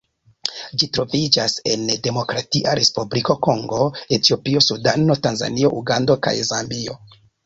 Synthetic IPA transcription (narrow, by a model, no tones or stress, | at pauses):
d͡ʒitɾo̞vid͡ʒase̞̰nde̞mo̞kɾatiʔaɾe̞spubliko̞ko̞ŋɡo̞e̞tio̞pio̞sudano̞tanza̰nio̞ʔuɡando̞ka̰jzambio̞̰